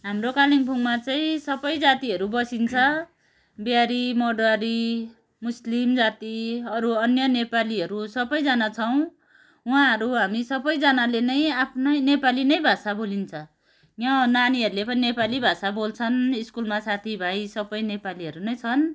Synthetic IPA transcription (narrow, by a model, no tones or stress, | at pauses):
ɦamrokaliŋpʰuŋmat͡saĩsʌbʌjd͡zat̪iɦʌɾubʌsint͡sʰʌ | bjaɾimʌɖʌɾi | muslimd͡zat̪iʌɾuʌnjʌnepaliɦʌɾusʌbʌjd͡zanat͡sʰʌw̃ | wãɦʌɾuɦamisʌbʌjd͡zʌnalenʌjapʰnʌjnepalinʌjbʱasabolint͡sʰʌ | jʌnaniʌɾulepʌninepalibʱasabolt͡sʰʌniskulmasat̪ʰibʱajsʌbʌjnepaliʌɾunʌjt͡sʰʌn